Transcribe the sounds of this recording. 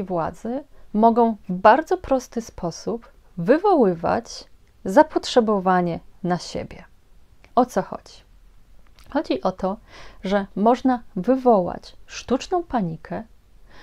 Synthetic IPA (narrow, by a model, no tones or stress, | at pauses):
jvwa̰d̪zɘmɔɡɔ̃w̃vbaɾd̪zɔpɾɔst̪ɘspʰɔsup | vɘvɔwɘva̰t͡ɕ | zapɔtʂɛbɔvaɲɛnaɕḛbʲjɛ | ɔt̪sɔxɔ̰d͡ʑi | xɔd͡ʑiʔɔt̪ɔʐɛmɔʐnavɘvɔwa̰t͡ɕʂt̪ut͡ʂnɔ̃w̃paɲikʰɛ